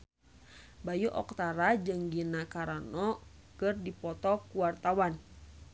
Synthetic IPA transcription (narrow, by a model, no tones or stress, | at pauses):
bajuʔɔ̰kt̪aɾad͡ʒɨŋɡinakaɾanɔ | kɨrdipɔt̪ɔkuwart̪awan